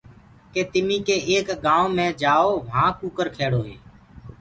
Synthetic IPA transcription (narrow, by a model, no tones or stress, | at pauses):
keːt̪ɪmĩːkeːʔeːkɡãːõːmẽːd͡ʒaːoːʋãːkuːkəɾkʰeːɽoːɦeː